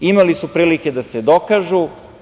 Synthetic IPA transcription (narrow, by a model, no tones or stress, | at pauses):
imalisupɾiːlike̞d̪ased̪okaʒu